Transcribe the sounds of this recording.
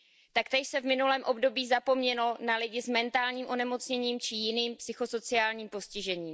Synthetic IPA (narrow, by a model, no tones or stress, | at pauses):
t̪akt̪ɛʃsɛvmɪnulɛːmʔo̞bdo̞biːzapo̞mɲɛlo̞nalɪɟɪzmɛnt̪aːlɲiːmʔo̞nɛmo̞t͡sɲɛɲiːmt͡ʃɪjɪniːmpsɪxo̞so̞t͡sɪaːlɲiːmpo̞scɪʒɛɲiːm